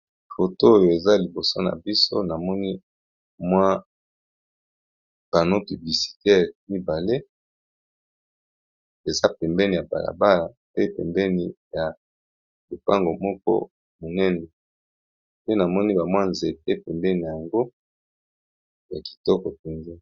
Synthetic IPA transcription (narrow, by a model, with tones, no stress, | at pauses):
fo˨to˦o˦jo˨e˨za˦li˨bo˨so˦na̰˨bi˦so̰˦na˨mɔ˦ni˦ | mwa˦ | b̥a˨no˦py˨bli˨si̥˨tɛ˦˨ʁmi˦ba˨le˦ | e˨za˦pɛ˨mbɛ˦ni˨ja˨ba̰˨la̰˨ba˦la˨ | pe˦pɛ̰˨mbɛ˦ni˨ja˨ | bo˨pa˦ŋɡo˨mɔ˦kɔ̰˦ | mo˨nɛ˦nɛ˨ | pe˦na˨mɔ˦ni˦ba˨mwa˦nze˨t̚e˦pɛ˨mbɛ˦ni˨a˨ja˨ŋɡo˦ | ja˨ki̥˨tɔ˦kɔ˨pɛ˨nze˦